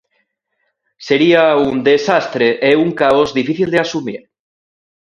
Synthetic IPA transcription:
se̞ɾiaund̪esast̪ɾeʔeuŋkaozðifiθild̪easumḭɾ

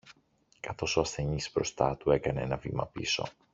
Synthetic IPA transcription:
kɐθo̞so̞ɐsθe̞ɲisbɾo̞st̪ɐt̪ue̞kɐnee̞nɐvḭmɐpḭso̞̰

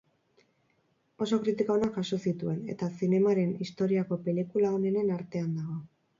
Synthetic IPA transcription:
o̞so̞kɾit̪ikoonaʝaso̞sit̪ue̞ne̞̰t̪asine̞maɾe̞nist̪o̞ɾiako̞pe̞likulaone̞ne̞naɾt̪e̞and̪aɣ̞o̞

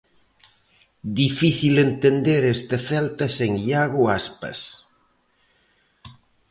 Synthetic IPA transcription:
d̪ifiθilent̪end̪eɾest̪aθɛlt̪aseŋʎaɣʊaspɐ̰s

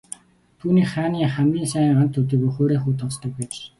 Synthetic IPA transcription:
t̪ʰuːniːkχaːniːχæmɡʲiːnsæːɴɢant̪ʰːɵt̪̬iːkuχoːɾeːχuːt̪ʰɔt͡st̪ə̆k̚pæːt͡ɕ

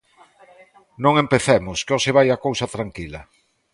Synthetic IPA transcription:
nõŋempeθemʊskeɔsɪβ̞ajakowsɐt̪ɾaŋkilɐ

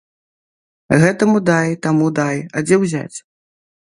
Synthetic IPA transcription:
ɣɛt̪ɐmud̪ajt̪amud̪ajad͡zʲɛwzʲa̰t͡sʲ

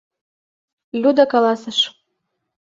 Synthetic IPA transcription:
lʲud̪ɑkɑlɑsə̆ʃ

